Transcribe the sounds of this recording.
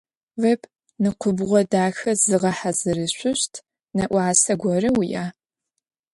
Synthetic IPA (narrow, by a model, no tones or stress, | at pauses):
vɐpʰ | nɨqʷʰʊbʁʷɔdaːxɐzɨʁɐħazɨɾɨɕʷʊɕtʰ | nɐʔʷɑːsɐɡʷɔrɨwijaː